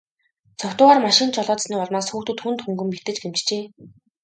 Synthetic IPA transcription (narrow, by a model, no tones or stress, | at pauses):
t͡sʰɔkt̪ʊːʁaːrmaʃɪ̆nt͡ɕʰɔɮɔːt̪sniːpɔɮmaːsxuːxt̪ɘ̆t̪xunt̪xuŋɡɵ̆mpit̪ɘ̆t͡ɕɡemt͡ɕt͡ɕeː